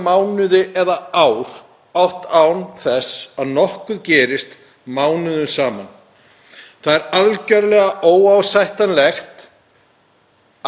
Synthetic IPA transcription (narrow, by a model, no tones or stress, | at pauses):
maːwnʏðɪʔɛðaaːwɾ̥ | awht̪awnθɛsaðnɔhkʏðcɛːɾɪst̪ | maːwnʏðʏnsaːman | θaðɛɾalcœɾlɛɣaʔoːwawsajht̪anlɛxt̪